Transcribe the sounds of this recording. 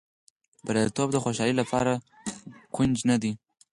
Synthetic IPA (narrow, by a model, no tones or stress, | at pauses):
baɾat̪obd̪əxoʃɑlilapʰɑɾa | kʊnd͡ʒnad̪i